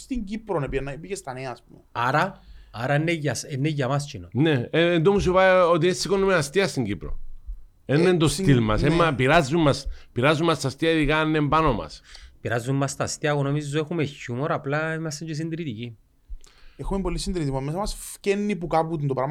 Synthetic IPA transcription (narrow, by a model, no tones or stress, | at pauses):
st̪iɲɟipɾonepienːɐipiʝest̪ɐneɐːspumeaɾɐaɾɐnːeʝɐsenːeʝɐmɐst͡ʃinoneːnd̪omus̬ipaot̪̬iessikonːemeast̪iɐst̪iɲɟipɾo̰ | enːend̪ost̪ilmɐ̰semːɐpiɾazːumːɐspiɾazːumːɐst̪ɐst̪iɐiðikaenːembanomɐ̰spiɾazːumːɐst̪ɐst̪iɐɣonomizzoexumeçumoɾɐplɐimɐst̪ɐɲd͡ʒos̬ind̪ɾit̪ici | exumembolːisind̪iɾit̪imomesɐmɐsfcenːipukaput̪ind̪opɾɐm